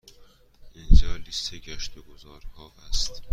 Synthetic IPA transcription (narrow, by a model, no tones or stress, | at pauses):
ʔind͡ʒɒːlist̪ʰeɟæʃt̪eɡozɒːɾhɒːvæst̪